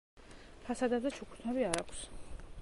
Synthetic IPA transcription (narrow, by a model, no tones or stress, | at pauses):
pʰasad̪ad̪at͡ʃʰukʰu̥t̪ʰnʰɛbiaɾakʷʰs